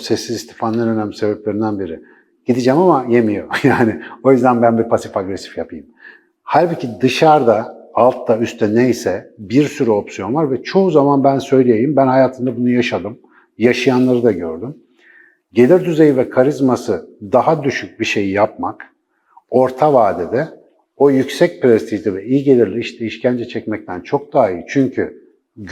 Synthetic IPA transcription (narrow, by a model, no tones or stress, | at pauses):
sɛsːizist̪ʰi̥fanʲˠaɾønæmʲisebep̚lʲe̞ɾind̪ænbiɾɪ | ɟ̥id̪id͡ʒɛmamaje̞mijojaːnɪo̞jyzd̪ænbænbipʰasifaɡɾesi̥fjapʰɯjɯm | haɾʲbicʰid̪ɯʃaɾd̪aːlˠt̪d̪ayst̪ʰɛnejsɛbiɾsyɾyo̞psijo̞nvaɾvɛt͡ʃʰo̞uzamanbænsø̞jlʲejejimbænɦajaːt̪ʰɯnd̪abunujaʃad̪ɯm | jaʃɯjanlˠaɾɯd̪aɟø̞ɾd̪ym | ɟe̞lʲiɾd̪yze̞jivɛkʰaɾizmasɯd̪aɦad̪yʃyc̚biʃe̞jijap̚mak | o̞ɾt̪ʰavaːd̪id̪ɛ | o̞jycsɛc̚pɾɛst̪ʰiʒlʲivɛijiɟe̞lʲiɾlʲiiʃt̪ʰɛiʃcʰænd͡ʒɛt͡ʃʰɛcmɛc̚t̪ʰænt͡ʃʰo̞k̚d̪aːiit͡ʃʰyɲcʰy